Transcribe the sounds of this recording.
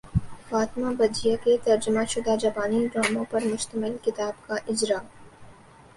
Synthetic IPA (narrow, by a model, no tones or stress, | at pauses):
faːt̪mabɐd͡ʒijaket̪ɐɾd͡ʒʊmaʃʊd̪ʱad͡ʒɐbaːniɖɾaːmõpɐɾmʊʃt̪əmɪlkɪt̪aːbkaʔɪd͡ʒɾa